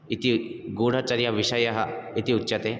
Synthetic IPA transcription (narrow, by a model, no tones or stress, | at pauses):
it̪iɡoɽ̤at͡ɕaɾjaʋiɕajaɦait̪iutːɕat̪e